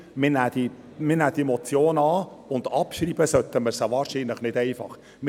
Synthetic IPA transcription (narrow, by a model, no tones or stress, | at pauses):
mɪnæːd̪̥i | mɪnæːd̥̪iɛemɔt͡sjoːnɑːʊnd̥̪ɑpʃriːbəsœt̪əməɾsɑʋɑːɾʃiːnləχnɪdɛɪfɑ̰χ | mɪ